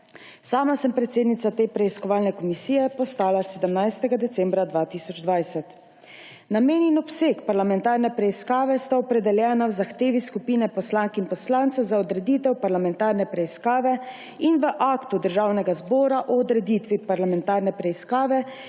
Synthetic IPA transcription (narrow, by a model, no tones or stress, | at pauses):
saːmasɛmpɾɛt̪seːd̪nit̪sat̪eːpɾɛiskɔʋaːlnɛkɔmisiːjɛpɔst̪aːlasɛd̪əmnajst̪ɛɡad̪ɛt̪sɛmbɾad̪ʋaːt̪isɔd͡ʒd̪ʋajsɛt̪ | nameːnjɛnɔpsekpaɾlamɛnt̪aːɾnɛpɾɛiskaːʋɛst̪aɔpɾɛd̪ɛljɛːnawzaxt̪eːʋiskupiːnɛpɔslaŋkinpɔslaːnt̪sazaɔd̪ɾɛd̪iːt̪ɛwpaɾlamɛnt̪aːɾnɛpɾɛiskaːʋɛ | inʋəʔaːkt̪ud̪əɾʒawnɛɡazbɔːɾaʔɔɔd̪ɾɛd̪iːt̪ʋipaɾlamɛnt̪aːɾnɛpɾɛiskaːʋɛ